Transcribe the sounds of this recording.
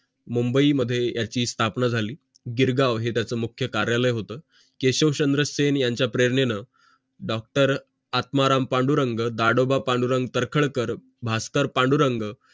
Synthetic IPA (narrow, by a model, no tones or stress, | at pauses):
mumbəiməd̪ʱːjejat͡ɕiːst̪ʰapnad͡zʱaliː | ɡiɾɡaʋɦet̪jat͡səːmukʰjəkaɾjaləjɦot̪əː | keɕəʋɕənd̪ɾəsenjaɲt͡ɕjapɾeɾɳenə | ɖɔk̚ʈəɾ | at̪maɾampaɳɖuɾəŋɡd̪aɽobapaɳɖuɾəŋɡt̪əɾkʰəɭkəɾ | bʱask̪əɾpaɳɖuɾəŋɡ